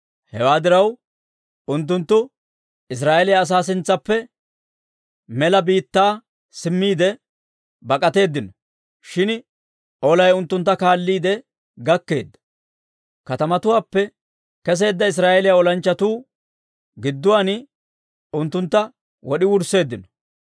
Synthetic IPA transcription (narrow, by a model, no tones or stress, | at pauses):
hɛwaːd̪ɪɾɐw | ʊnt̪̬ːʊnt̪ːʊ | ɪs̬ɾaːʔɛlɪjaːs̬aːs̬ɪnt͡sːɐpːɛ | mɛlɐbiːt̪ːaː | sɪmːiːd̪ɛ | bɐkʼɐt̪e̞ːd̪ːɪnɔ | ʃɪn | ʔɔlɐjʊnt̪ːʊnt̪ːɐkaːlːiːd̪ɛ | ɡɐkːe̞̰ːd̪ːɐ̥ | kɐt̪ɐmɐt̪ʊwaːpːɛ | kɛs̬e̞ːd̪ːɐɪs̬ɾaːʔɛlɪjaɔlɐnt͡ʃːɐt̪uː | ɡɪd̪ːʊwaːn | ʊnt̪ːʊnt̪ːɐ | wɔɗɪwʊɾse̞ːd̪ːɪnɔ̥